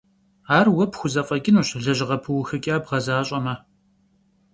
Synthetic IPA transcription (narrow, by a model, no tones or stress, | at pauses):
aːrwɐpxʷʊzɐfʼɐɡʲʼɪnuːɕɮɐʑɪʁɐpʰɨwxɐkʲʼaːbʁɐzaːɕʼɐmɐ